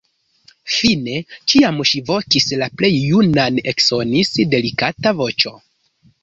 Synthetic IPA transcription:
fine̞t͡ʃiamʃivo̞kislaple̞jːunane̞kso̞nisde̞likatavo̞t͡ʃo̞

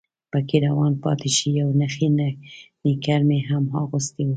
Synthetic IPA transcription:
pəkeɾawɑnpɑ̰t̪eʃijawnaxennikaɾmeɦamhɑɣust̪i

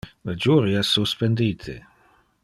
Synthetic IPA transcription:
lad͡ʒuːɾiasuspend̪iːt̪ʰḛ

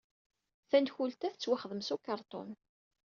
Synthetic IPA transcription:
θænd̪çult̪æθt͡sːwæχəðəmsukɑɾˤt̪ˤo̰n

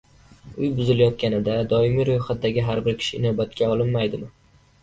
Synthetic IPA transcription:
ʊjbʊzɪlajɒt̪kʲanɪd̪ad̪ɒɪmiɾʊjχat̪̚d̪aɡʲɪɦaɾbɪɾkʲʰɪ̥ʃɪːnɒbat̪kʲʰaɒlˠɪnmajd̪ɪmɪ

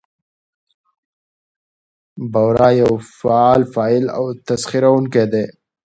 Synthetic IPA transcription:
bɐwɾaːjɐwfalfaːɪla̰wt̪ɐsxiɾaunked̪eː

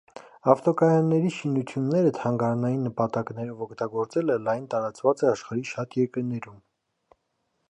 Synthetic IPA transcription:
ɑft̪ɔkɑjɑnːɛɾiʃinut͡sʰjunːɛɾət̪ʰɑŋɡɑɾɑnɑjinːəpɑt̪ɑknɛɾɔvɔkʰt̪ɑɡɔɾt͡sɛləlɑjnt̪ɑɾɑt͡svɑt͡sɛɑʃχɑɾiʃɑt̪jɛɾkəɾnɛɾum

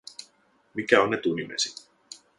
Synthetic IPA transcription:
mikæonːet̪unimḛsit̪

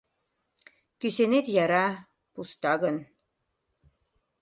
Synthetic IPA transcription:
kysenet̪jɑɾɑ | pust̪ɑɡɤ̆n

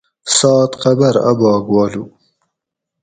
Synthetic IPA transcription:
sɑːt̪qabaɾa̰bɑːɡwɑːlu

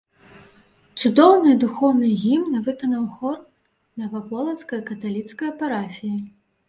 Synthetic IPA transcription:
t̪sud̪ɔwnɨd̪uxɔwnɨɣʲimnɐvɨkɐnɐwxɔr | nɐvapɔlˠɐt̪skɐjkɐt̪alʲit̪skɐjɐpaɾafʲiji

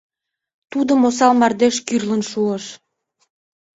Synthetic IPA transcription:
t̪ud̪omos̬ɑlmɑrd̪eʃkyrlənʃuəʃ

